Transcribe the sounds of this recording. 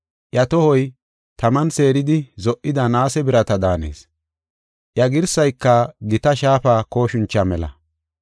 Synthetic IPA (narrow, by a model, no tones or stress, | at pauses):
ʔjɐt̪ɔhɔj | t̪ɐmɐnse̞ːɾɪd̪ɪzɔʔʔːɪd̪ɐnaːsɛbɪɾɐt̪ɐd̪aːne̞̰ːs | ʔjɐɡɪɾsɐjkːɐɡɪt̪ɐʃaːfaːko̞ːʃʊnt͡ʃːɐmɛlɐ̰